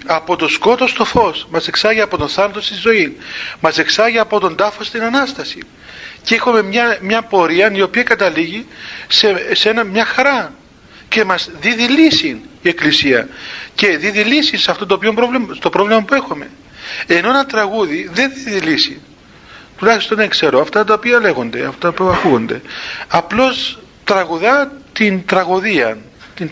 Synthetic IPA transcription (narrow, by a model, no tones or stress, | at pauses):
ɐpo̞t̪o̞sko̞t̪o̞st̪o̞fo̞smɐse̞ksɐʝiɐpo̞t̪o̞nθɐnɐt̪ost̪izo̞inmɐse̞ksɐʝiɐpo̞t̪o̞nd̪ɐfost̪inɐnɐst̪ɐsḭ | cexome̞mɲɐmɲɐpo̞ɾiɐnio̞piɐkɐt̪ɐliʝisesenɐmɲɐxɐɾɐ | ce̞mɐzðiðilisinie̞klisiɐ̰ce̞ðiðilisisɐft̪ot̪opʝombɾovlimst̪o̞pɾo̞vlimɐpue̞xome̞̰ | e̞no̞enɐt̪ɾɐɣuðiðe̞nðiðilisi | t̪ulɐçist̪o̞nɐekse̞ɾoɐft̪ɐt̪̬ɐopiɐle̞ɣo̞nd̪e̞̰ɐft̪o̥t̪ɐopiɐɐkuɣo̞nd̪e̞ɐplo̞s | t̪ɾɐɣuðɐt̪int̪ɾɐɣoðiɐn | t̪in